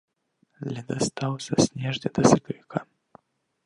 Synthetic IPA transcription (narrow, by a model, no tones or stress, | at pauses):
lʲɛd̪ɐst̪awsʲɐsʲnʲɛʐnʲɛd̪ɐsʲɨkɾʲikʰa